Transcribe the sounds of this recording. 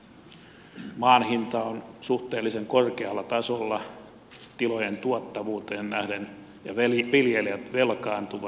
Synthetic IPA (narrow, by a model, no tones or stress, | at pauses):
mɑːnhint̪ɑonsuht̪eːlːiseŋkorkeɑlːɑt̪ɑsolːɑ | t̪ilojent̪uɑt̪ːɑʋuːt̪eːnnæhden | jɑʋeʋiljeliæt̪ʋelkɑːnt̪uʋɑ